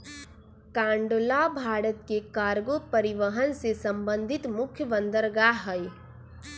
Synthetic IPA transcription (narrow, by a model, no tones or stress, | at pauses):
kãːɳɖolabʱaːɽət̪kekaːɾɡopəɾiʋəɦənsesə̃mbə̃nd̪ʱɪt̪mʊkʰjəʋə̃nd̪əɾɡaɦəj